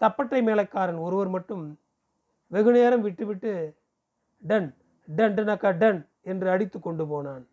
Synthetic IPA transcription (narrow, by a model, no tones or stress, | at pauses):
t̪ɐpːɐʈrɐɪmeːlɐɪkːaːɾɐnɔɾɯʋɐɾmɐʈːɯm | ʋɛɣɯneːɾɐmʋɪʈːɯʋɪʈːɯ | ɖɐn | ɖɐɳɖɯnɐkːɐɖɐn | ɛndrɯɐɽɪt̪ːɯkːɔɳɖɯpoːnaːn